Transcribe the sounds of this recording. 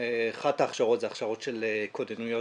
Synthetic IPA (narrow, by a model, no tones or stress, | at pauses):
eχataːχʃaʁotzeaχʃaʁot̪ʃelekodenujo